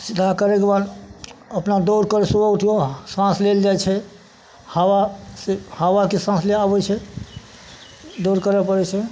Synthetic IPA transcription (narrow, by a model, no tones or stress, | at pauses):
sid̪ʱakəɾekbaɾ | əpnad̪oɾkəɾesobauʈʰijosãsleld͡ʒajt͡ʃʰɛ | hawasehawakesãsleabɛt͡ʃʰɛ | d̪oɾkəɾɛpəɾɛt͡ʃʰɛ